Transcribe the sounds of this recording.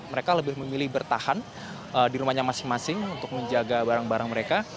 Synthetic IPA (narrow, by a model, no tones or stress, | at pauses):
məɾekaləbɪhməmilɪhbərt̪ahan | ədiɾumaɲamasɪŋmasɪŋunt̪ʊk̚məɲd͡ʒaɡabaɾaŋbaɾaŋməɾeka